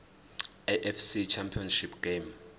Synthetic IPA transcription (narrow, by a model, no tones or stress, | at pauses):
eʔɛfsit͡ʃʰampʰiɔnʃipʰɡ̥em